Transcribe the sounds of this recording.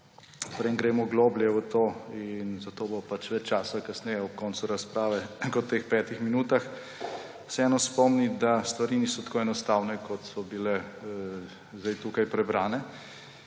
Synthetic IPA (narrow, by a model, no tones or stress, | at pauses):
pɾeŋɡɾeːmɔɡloːbljɛʋət̪oːinzat̪oːbopat͡ʃʋɛt͡ʃt͡ʃaːsakasnɛjɛɔp̚kɔːnt̪suɾaspɾaːʋɛkɔtt̪ːexpɛːt̪ixminuːt̪ax | sɛɛːnɔspɔmnid̪ast̪ʋaɾiniːsɔt̪ḁkoːɛnɔst̪aːwnɛkɔt̪sɔbilɛ | zd̪ajt̪ukajpɾɛbɾaːnɛ